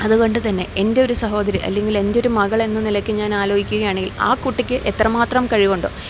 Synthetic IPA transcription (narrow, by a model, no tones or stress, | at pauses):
ɐðuko̞ɳɖɨt̪ɐnːe̞ende̞oɾusɐɦo̞ːd̪ɐɾiʔɐ̰lːe̞ŋɡile̞ndo̞ɾumɐɣɐɭe̞nːɨnilɐkʲːɨɲaːnaːlo̞ːɡikʲːuɣɐjaːɳeŋɡila̰ːkuʈːikʲːɨʔet̪ːrɐmaːt̪rɐmkɐɻiɣoɳɖo̰ː